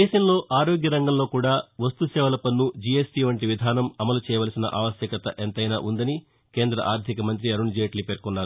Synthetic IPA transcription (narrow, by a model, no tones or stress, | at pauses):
d̪ɛːʃɐmlo̞ːʔaːɾoːɡjɐɾɐŋɡɐmlo̞ːkuːɽaːʋɐst̪usɛːʋɐlɐpɐnːud͡ʒijesʈiːʋɐɳʈiʋid̪ʱaːnɐmɐmɐlut͡ʃɛːjɐʋɐlɐsinɐ̰ʔa̰ːʋɐsjɐkɐt̪ɐ̰ʔent̪ɐjnaːʔund̪ɐni | ke̞ːnd̪ɾɐ̰ʔaːɾd̪ʱikɐmɐnt̪̬ɾiɐɾuɳd͡ʒijɐʈlipeːɾkunːaːɾu